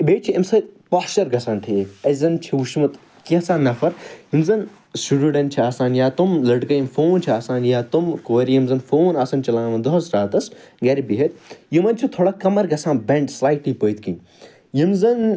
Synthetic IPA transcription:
beːʈt͡ʃʰiɐmsɐt̪̚paːst͡ʃɐɾɡɐsaːnʈʰeːɐzɐnt͡ʃʰiuʃmɐt̪ | kiɐsaːnːɐfɐɾɦimzɐn | suɽuɖɐnt͡ʃʰiaːsaːnjaːt̪umlɐɖkɐjimfoːnt͡ʃʰiaːsaːnjaːt̪umkoːɾijimzɐnfoːnaːsɐnt͡ʃɐlaːnɐmɐnd̪ɐɦɐsɾaːt̪ɐsɡɐɾibiɦɐt̪̚ʲjimɐnʲt͡ʃʰit̪ʰoːɽakɐmɐɾɡɐsãːnbɐɳɖslaːjʈliːpəːjt̪kin | jimzɐn

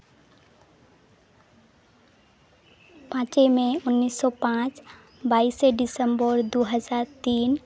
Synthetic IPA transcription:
pãt͡ʃemẽʊnːisːɔpãt͡ʃ | baːiseɖɪsəmbəɾd̪uɦəd͡ʒaːɾt̪iːn

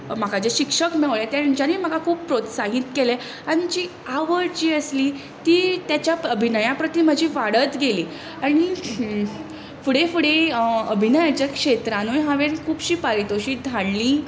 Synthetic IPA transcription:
m̤akad͡ʑeɕikʂəkmeɭəɭet̪jad͡ʑanim̤akakʰuːppɾot̪saɦiːt̪kele | aɽ̃id͡ʑiː | aʋəɾt͡ɕiːəsliː | t̪iːt̪jat͡ɕjaəbʱinəjapɾət̪im̤əd͡ʑʱiʋaɽət̪ɡeliː | aɽ̃i | fuɽefuɽeəbʱinəjat͡ɕakʂet̪ɾãnujɦãʋeɾkʰuːbɕiːpaɾit̪oɕiːd̪ʱaɳliː

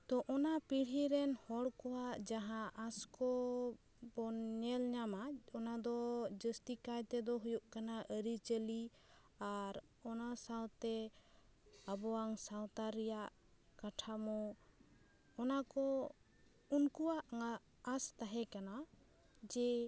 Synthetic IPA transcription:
t̪ɔʔɔnapiɽ̤iɾɛnhɔɽkɔwaʔd͡ʒaɦãʔaskɔ | bɔɲɛlɲamaɔnad̪ɔd͡ʒəst̪ikajt̪ɛd̪ɔɦujuʔkanaʔəɾit͡ʃəli | aɾɔnasawt̪ɛ | abɔaŋsaw̃t̪aɾɛjaʔ | kaʈʰamɔ | ɔnakɔ | unkuwaʔaː | st̪aɦɛkana | d͡ʒɛ

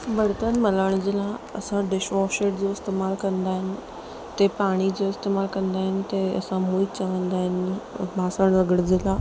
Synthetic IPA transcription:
bəɽt̪ənmələɽ̃d͡ʑɪlãɐ̰sãɖɪʃʋɔʃeʈd͡ʑoɪst̪eːmaːlkɐ̃nd̪aːɦɪnɪ̆ | t̪epaːɽ̃id͡ʑoɪst̪emaːlkɐ̃nd̪aːɦɪnɪ̆t̪eɐ̰sãmuit̚t͡ɕəʋə̃nd̪aːɦɪnbʱaːsəɽ̃ʋəɡəɽd͡ʑɪla

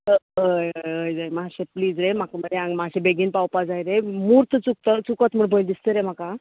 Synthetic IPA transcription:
əəjəəjd͡zajmaɕepliːd͡zɾem̤akməd̪eãŋɡmaɕẽbeɡiːnpawpad͡zajɾemuːɾt̪ʰt͡suk̚t̪ət͡sukət̪m̤əɳbʱəjld̪ist̪əɾem̤aka

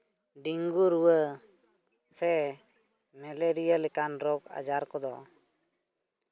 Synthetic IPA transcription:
ɖiŋɡuɾuwə | sɛ | mɛleɾijalɛkanɾɔka̰d͡ʒaɾkɔd̪ɔ

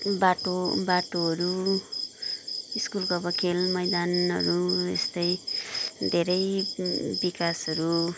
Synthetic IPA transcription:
baʈobaʈoʌɾu | iskulkoʌbʌkʰelmʌjd̪anɦʌ̰ɾuḛst̪ʌj | d̪ʱeɾʌj | bikasʌɾu

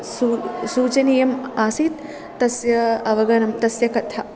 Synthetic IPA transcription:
susuːt͡ʃɐnijɐmaːsit̪ː | ɐsjɐɐʋɐɡɐnɐmt̪ɐsjɐkɐt̪ʰɐ

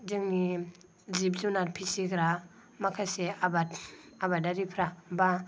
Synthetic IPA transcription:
dɯŋni | zip̚zunaɾpʰisiɡɾa | makʰaseabatabadaɾipʰɾaba

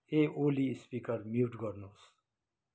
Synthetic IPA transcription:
eʔoːlispikʌɾmjuʈɡʌɾnus

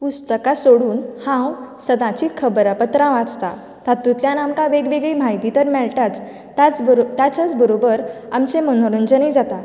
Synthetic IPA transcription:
pust̪əkasoɽuːnhãwsəd̪ãt͡ɕiːkʰəbɾəpət̪ɾãʋãt͡st̪a̰ | t̪at̪ːut̪ljãnamkãʋeɡʋeɡɭim̤aɦjt̪it̪əɾmɛɭʈat͡s̪ | at͡st̪jat͡ɕat͡sbəɾobəɾ | amt͡semənoɾund͡ʑənid͡zat̪a

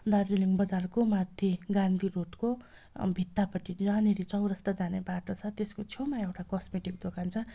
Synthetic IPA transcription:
d̪arriliŋbʌd͡zarkomad̪ʱjeɡand̪ʱiɾoʈko | bʱit̪ːapʌʈianeɾit͡sʌwɾʌst̪ad͡zanebaʈot͡sʰʌt̪eskot͡sʰewmaewʈakʌsmeʈik̚d̪okʰant͡sʰʌ

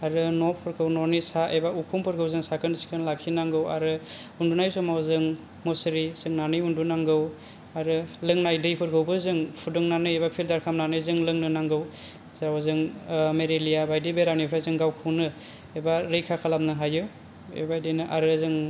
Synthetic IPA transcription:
aɾɯnopʰɯɾkʰɯwnonisaʔebaukʰumpʰɯɾɡʰɯwzɯŋsakʰɯnsi̥kʰɯnlakʰːinaŋɡɯwa̰ɾɯ | undunajsɔmawzɯŋ | mosɯɾizɯŋnanɯjundunaŋɡɯw | aɾɯlɯŋnajdɯjpʰɯɾkʰɯwbɯzɯŋpʰudɯŋnanɯjebapʰildaɾkʰamnanɯjzɯŋlɯŋnɯnaŋɡɯw | zaawzɯŋmeɾelijabajdibeɾamnipʰɾajzɯŋɡawkʰɯwnɯ | ebaɾɯjkʰakʰalamnɯɦajɯ | ḛbajdɯjnɯʔaɾɯzɯŋ

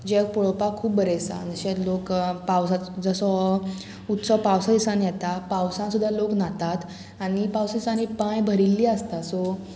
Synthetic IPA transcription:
d͡ʑek̚pɔɭɔpakʰuːp̚bəɾesã̰nəɕet̪lokpawsad͡zəsɔ | ut̪sɔpawsaisãnjɛt̪apawsãsud̪ʱːaloknat̪at̪ | aɽ̃ipawsisãnipãjbʱəɾilːiːəst̪asɔ

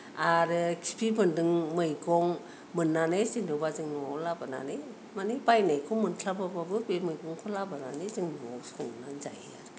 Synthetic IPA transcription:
aɾɯkʰi̥pʰibɯndɯŋmɯjɡɔŋ | mɯnːanesinɯbazɯŋnuŋawlabɯna̰nej | manibajnajkʰɔmɯntʰlabababɯbemɯjɡɔŋkʰɔlabɯnanezɯŋnɔŋa̰wskʰɔŋnanza̰jaɾ

